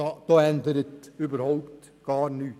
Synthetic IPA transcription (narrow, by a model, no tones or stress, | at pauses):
ɑd̪̥oːɛnd̪əɾət̪yːbəɾhoʊpt̪ | ɡ̥ɑːɾnyː